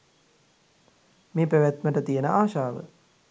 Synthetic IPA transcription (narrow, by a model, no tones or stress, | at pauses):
meːpɾəʋjæt̪məʈət̪ijənəʔaːʃaːʋə̰